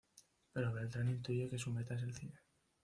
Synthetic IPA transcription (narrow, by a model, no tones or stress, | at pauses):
pe̞ɾoβe̞lt̪ɾanĩnt̪uʝeke̞sumet̪as̬elθine